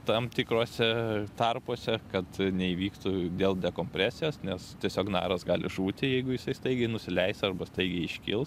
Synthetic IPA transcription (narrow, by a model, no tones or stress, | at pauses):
t̪ɑmt̪ʲɪkɾoːsʲɛt̪ɐrpoːsʲɛkɐt̪nʲɛiːʋʲiːkt̪uːd̪ʲeːlˠd̪ʲɛkoːmʲpʲɾʲæːsʲɪjoːsnʲɛst̪ʲiɛsʲoːknɑ̰ːɾɐsɡɑːlʲɪʒuːt̪ʲɪjɛɪɡʊjɪsɐɪst̪ɐɪɡʲɛɪnʊsʲɪlʲɛɪsɐrbɐst̪ɐɪɡʲɛɪɪʃʲkʲɪ̰lˠs